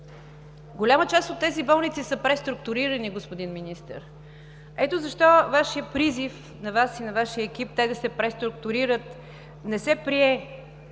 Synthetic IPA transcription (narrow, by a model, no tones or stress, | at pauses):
ɡolʲamət͡ʃast̪ot̪ːɛzibɔlˠnit̪sisəpɾɛst̪ɾʊkt̪ʊɾiɾɐniɡospod̪inminist̪ə̰ɾ | ɛt̪ozɐʃt̪ɔvaʃijəpɾizif | nɐvasinɐvaʃijəɛk̟ip̚t̪ɛd̪ɐsɛpɾɛst̪ɾʊkt̪ʊɾiɾət̪ | nɛsɛpɾiɛ